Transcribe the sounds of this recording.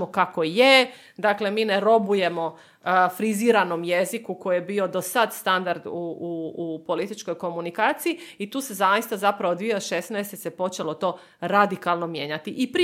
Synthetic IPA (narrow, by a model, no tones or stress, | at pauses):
mokakoje | d̪akle̞miːneɾo̞buje̞mo̞ | fɾiziːɾano̞mjezikuko̞jjebio̞d̪o̞sad̪st̪and̪aɾd̪uupo̞lit̪it͡ʃko̞jko̞munikaːt̪siiit̪uːse̞zajist̪azapɾaʋod̪ʋieʃesnɛjst̪e̞sepo̞t͡ʃelo̞t̪o̞ː | ɾad̪ikalˠno̞mje̞ɲat̪iʔipɾi